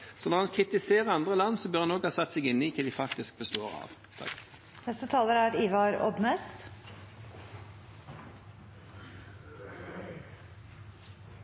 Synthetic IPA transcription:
sɔnɔʁhɑnkʰʁɪt̪ɪseːʁəɾɑnd̪ʁəlɑnːsɔbjyːʁhɑnɔɡhɑsɑt̪ːsɛɡɪnːɪkʰɛd̪ɪfɑk̚t̪ɪsk̚bəst̪oːʁɑ̰ːʋ | t̪ʰɑ̰k | nɛst̪ət̪ʰɑːləɾæɾiːʋɑɾɔ̰bmɛst̪

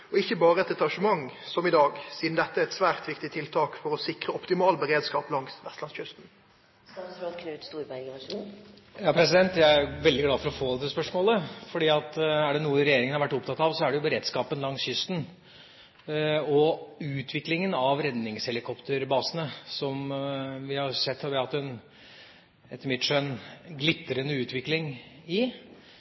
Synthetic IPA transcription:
ɔɪçːəbɑːɾəɛt̪ɛt̪ɑʂəmɑŋsɔmɪd̪ɑːɡsiːd̪n̩d̪ɛt̪ːəɛt̪sʋæːʁt̪ʋɪkt̪ɪt̪ʰɪlt̪ʰɑːkfɔɾɔsɪkɾəɔpt̪ɪmɑːlbəɾeːd̪skɑːplɑŋsʋɛst̪lɑnsçʏst̪n̩ | ɑsɑkʰʉːt̪st̪uːɾbæɾɡənɑʂuːn | jɑːpʰɾɛs̬ɪd̪ɛnt̪jæɪæɾʋɛld̪ɪɡlɑːfɔɾɔfoːd̪ɛt̪ːəspœʂmoːləfɔɖiːɑt̪æɖɛnuːəɾɛjeːɾɪŋənhɑɾʋæʈːʊpt̪ʰɑt̪ːɑʋsɔæɖɛjʊbəɾeːd̪skɑːpənlɑŋsjʏst̪n | ɔʉːt̪ʰʋɪklɪŋənɑʋɾɛd̪nɪŋshɛlɪkʰɔpt̪əɾbɑːsənəsɔmʋɪhɑɾsɛt̪ːhɑʋɪhɑt̪ːɛn | ɛt̪ːəmɪt̪ʂœnɡlɪt̪ːəɾənːəʉːt̪ʰʋɪklɪŋɪ

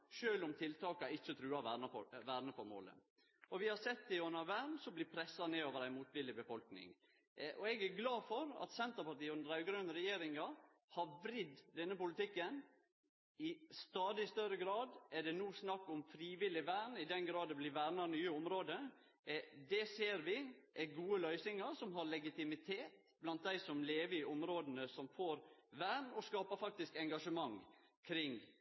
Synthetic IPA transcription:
ʃøːlɔmt̪ʰɪlt̪ɑːkɑɪt͡ʃːət̪ʰɾʉːɑʋæːɾnɑfɔ̰ʋæːɾnəfɔɾmo̰ːlə̰ | ɔʋɪhɑsɛt̪ːd̪ɪɔnːəʋæːɾnsɔmblɪpʰɾɛsːɑneːoːʋəɾæɪmuːt̪ʋɪlɪbəfɔlknɪ̰ŋ | ʔɔɛɡæɾɡlɑːfɔɾɑ̰t̪sɛnt̪əpɑʈ̪iːʉnd̪əɾæʉɡɾønɾɛjeːɾɪŋɑ | hɑɾʋɾɪd̪d̪ɛnːəpʊlɪt̪ɪkːən | ɪst̪ɑːd̪ɪst̪œɾəɡɾɑːd̪ɛɖɛnuːsnɑkːɔmfɾiːʋɪlɪʋæːɳɪd̪ɛnɡɾɑːd̪ɛblɪʋæːɾnɑnyːəʊmɾoːd̪ə | ɛd̪ɛseːɾʋɪʔæɡuːəlœʏsɪŋɑsɔmɦɑɾlɛɡɪt̪ɪmɪt̪ʰeːt̪ | blɑnt̪̚d̪æɪsɔmleːʋəɾɪʔʊmɾoːd̪ən̩əsɔmfoːɾʋæːɳɔskɑːpəfɑk̚t̪ɪskɛŋɡɑʂəmɑŋkʰɾɪŋ

